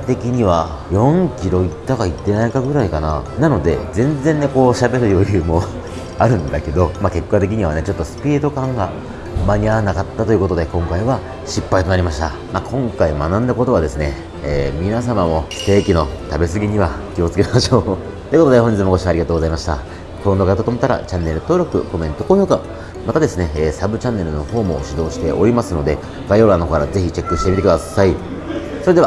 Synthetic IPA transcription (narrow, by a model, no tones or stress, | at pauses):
t̪e̞kʲiɲ̟iβa | jõ̞ŋkʲiɾo̞it̪ːakait̪ːe̞naikaɡɯ̟ɾaikana̰nano̞d̪e̞̰zẽ̞nd͡zẽ̞nːe̞ko̞ːɕabe̞ɾɯ̟jo̞jɯ̟ːmo̞ | aɾɯ̟̃nd̪ake̞d̪o̞make̞kːat̪e̞k̬ʲiɲ̟iβane̞t͡ɕo̞t̪ːo̞sɨ̥pʲiːd̪o̞kãŋɡa | maɲ̟iaβanakat̪ːat̪o̞jɯ̟ko̞t̪o̞d̪e̞kõŋkaiβa | ɕipːait̪o̞naɾʲimaɕi̥t̪a̰ | makõ̞ŋkaimanãnd̪ako̞t̪oβad̪e̞sɨne̞ː | mʲinas̬amamo̞se̞ːkʲino̞t̪abe̞s̬ɨɡʲiɲ̟iβakʲio̞t͡sɨ̥ke̞maɕo̞ː | t̪oekot̪od̪eɦoɲd͡ʑit͡semokoɕiaɾʲiɡat̪oːɡo̞zaimaɕi̥t̪a̰ | kɯ̟ɾõnd̪o̞kait̪ot̪omot̪ːaɾa̰t͡ɕãnːe̞ɾɯ̟t̪o̞ːɾo̞kɯ̟ko̞mẽ̞nt̪o̞ko̞ːço̞ːka | mat̪ad̪e̞sɨne̞ːsabɯ̟t͡ɕãnːe̞ɾɯ̟no̞ho̞ːmoɕid̪o̞ːɕi̥t̪e̞ʔo̞ɾʲimasɨno̞d̪e̞ | ɡ̥aio̞ɾanokokːaɾaze̞çit͡ɕe̞kːɯ̟ɕi̥t̪e̞mit̪ekɯ̟d̪asai | so̞ɾe̞d̪ea